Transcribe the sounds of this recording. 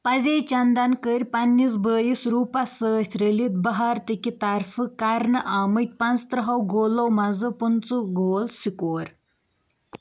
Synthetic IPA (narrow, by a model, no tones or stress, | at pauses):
pɐzeːt͡ʃɐnd̪ɐnkəɾʲpɐnːis̬bəːjisɾuːpɐsəːt̪ʰɾəlit̪̚bɐɦaːɾt̪ikit̪ɐɾfɨkɐɾnɨʔaːmɨt̪̚ʲpɐnzt̪ɾɐɦɐwɡoːlowmɐzɨpunt͡suɡoːlsikoːɾ